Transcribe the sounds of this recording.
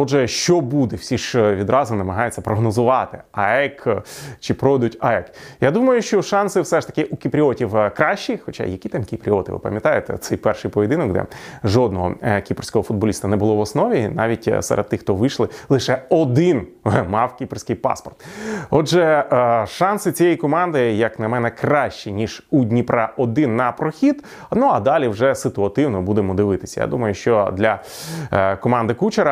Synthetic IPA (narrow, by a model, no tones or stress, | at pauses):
ɔʒɛʃt͡ʃɔbud̪ɛwsʲiʃʋʲid̪ɾɑzʊnɐmɐɦɑjet͡sʲːɐpɾɔɦnɔzʊʋɑt̪ɪɐɛkt͡ʃɪpɾɔʋɛd̪ʊtʲɐɛkjad̪umɐjʊʃt͡ʃɔʃɑnsɪwsɛʂt̪ɐ̥kɪʔukʲipɾʲiɔtʲiwkɾɑʃʲt͡ʃːixɔt͡ʃa̰jɐkʲit̪ɑmkʲipɾʲiɔt̪ɪ̰ʋɪ̰pɐ̰mʲjɐt̪ɑjet̪ɛ̰t̪sɛjpɛrʃɪjpɔʋʲɪd̪ɪnɔkd̪ɛ̰ʒɔd̪nɔɦɔ̰kʲiprsʲkɔɦɔfʊd̪bɔlʲist̪ɐnɛbʊlˠɔʋɔsnɔʋʲinɑʋʲitʲsɐ̰ɾʔḛd̪̚t̪ːɪxt̪ɔʋɪʃlˠɪlˠɪʃɛɔd̪ɪn | mɑwkʲipersʲkɪjpɑ̰spɔrt̪ɔd͡ʒɛʃɑnsɪt͡sʲijɛjkɔmɑnd̪ɪjɐknɐmɛnɛkrɑʃt͡ʃinʲiʒudʲnʲipɾɐʔɔd̪ɪnːɐpɾɔxʲid̪ | nuɐd̪ɑlʲiwʐɛsɪt̪ʊɐt̪ɪwnɔbud̪emɔd̪ɪʋɪt̪ɪ̥sʲɐja̰d̪umɐjʊʃt͡ʃɔd̪lʲɐ | kɔmɑnd̪ɪkut͡ʃeɾɐ